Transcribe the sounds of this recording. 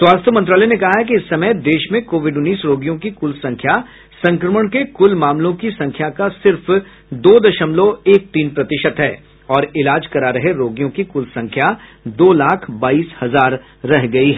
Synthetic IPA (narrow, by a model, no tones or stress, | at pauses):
swaːst̪ʰjəmɐ̃nt̪ɾaːlɛjnekɐɦaɦɛk̬iɪsːɐməjd̪eːʃmẽkoːʋɪɖʊnːiːsɾoːɡijõkikʊlsɐ̃ŋkʰja | sɐ̃ŋkɾəməɽ̃kekʊlmaːmlõkisɐ̃ŋkʰjakasɪɾf | d̪oːd̪ɐʃəmloeːk̚t̪iːnpɾɐt̪ɪʃət̪ɦɛ̰ː | ɔːɾɪlaːd͡ʒkɐɾaɾɐɦeɾoːɡijõkikʊlsɐ̃ŋkʰjad̪oːlaːkʰbaːiːshɐzaːɾː | ɛɦɡɐiɦɛː